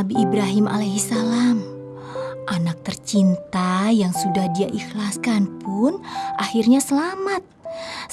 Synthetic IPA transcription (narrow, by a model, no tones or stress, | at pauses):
abiʔːbɾaɦimʔa̰lajɦisalam | ʔanak̚t̪ərt͡ʃint̪ajaŋsudahdiaʔixlaskanpʊnʔahirɲasəlamat̪̚